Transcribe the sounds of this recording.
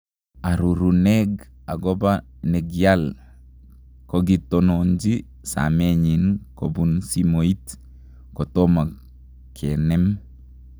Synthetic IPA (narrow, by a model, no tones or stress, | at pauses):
aɾuɾunɛɡaɡɔba | nɛɡjal | kɔɡitɔnoɲd͡ʒi | sa̰mɛɲinkobunsimoit | kɔtɔmak | kʰɛnɛm